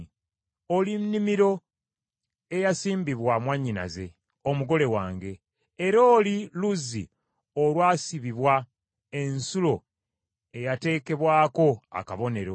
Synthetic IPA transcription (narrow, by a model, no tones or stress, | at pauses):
olinnimiɾo̞ | e̞jasiːmbiβwamwaɲːina̰ze̞ | omuɡo̞le̞waːŋɡe̞ː | ɾo̞ːliluzḭ | olwaːsiβiβwa | e̞nsulo̞ | e̞jate̞ːke̞βwaːko̞a̰kaβo̞ne̞ɾo̞